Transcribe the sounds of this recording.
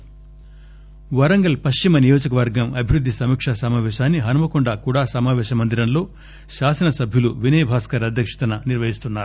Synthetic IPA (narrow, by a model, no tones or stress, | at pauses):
ʋɐɾɐŋɡɐlpɐst͡ʃimɐnijo̞ːd͡ʒɐkɐʋɐɾɡɐmɐbʱiɾud̪ʱːisɐmiːkʂɐsɐmaːʋɛːʃaːnːiɦɐnumɐkuɳɖakuɽaːsɐmaːʋɛːʃɐmɐnd̪iɾɐnlo̞ː | ʃaːsɐnɐsɐbʱjuluʋinɐjbʱaːskɐɾɐd̪ʱjɐkʂɐ̥t̪ɐnɐniɾʋɐɦist̪unːaːɾu